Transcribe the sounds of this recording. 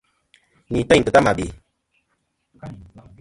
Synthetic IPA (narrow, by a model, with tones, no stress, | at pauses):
ni˨ta˦jtɨ˨ta˦ma˨bi˨